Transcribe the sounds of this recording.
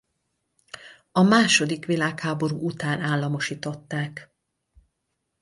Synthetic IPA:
ɒmaːʃo̞d̪ikʋilaːkhaːbo̞ɾṵːut̪aːnaːlːɒmo̞ʃiːt̪o̞t̪ːaːk

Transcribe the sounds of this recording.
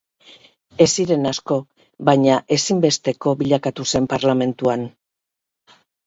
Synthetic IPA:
e̞siɾe̞nasko̞ | βaɲaʔe̞simbe̞st̪e̞ko̞βiʎakat̪use̞mpaɾlame̞nt̪uan

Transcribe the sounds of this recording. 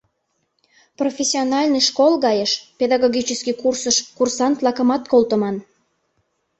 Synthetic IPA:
profʲesʲionɑlʲnɨʃkolɣɑjəʃped̪ɑɣoɣʲit͡ɕəskikursəʃkursɑnt̪lɑkəmɑt̪kolˠt̪əmɑn

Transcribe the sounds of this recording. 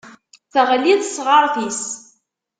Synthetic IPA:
θəʁliðsʁəɾˤθis

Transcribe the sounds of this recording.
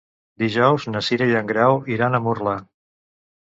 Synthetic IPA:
d̪iʒɔwznəsiɾeʎəŋɡɾɛwiɾanəmurla

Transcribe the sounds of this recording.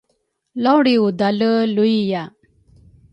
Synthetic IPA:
lɔwɽiud̪aləlujija

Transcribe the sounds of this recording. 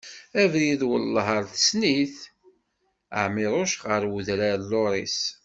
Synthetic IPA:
ævɾjiðwəlːəɦəɾˤθə̥sniθ | ə̰ʕmɪɾˤʊʃʁəɾwuðɾalːoɾˤis

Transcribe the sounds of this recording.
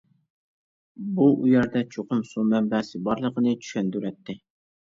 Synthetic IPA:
buʔujɛɾd̪ɛt͡ʃʰoqʊmsumɛmbɛsɪbɑɾlˠəqənɨt͡ʃʰy̥ʃɛnd̪yɾɛt̪ʰːɪ

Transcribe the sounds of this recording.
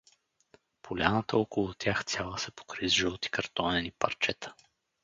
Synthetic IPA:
pʰolʲanət̪əɔkolˠʊt̪ʲʰjaxt̪ʲjalˠəsɛpo̥kɾizʒɛot̪i̥kɐɾt̪ɔnɛnipɐ̰ɾt͡ʃɛt̪ə̥

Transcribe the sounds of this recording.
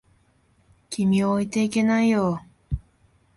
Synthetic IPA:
kʲimʲioit̪e̞ike̞naijo

